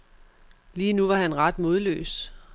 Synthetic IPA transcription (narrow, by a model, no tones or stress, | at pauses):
liːnuʋɑ̈ɦænʁɑd̥mo̝ð̞ˠlø̰ːs